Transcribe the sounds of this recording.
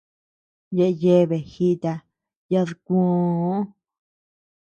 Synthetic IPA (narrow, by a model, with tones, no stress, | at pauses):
je˧ʔe˧je˦˧βe˨xi˦˧t̪a˧ | ja˧ðu˧kũ˧˦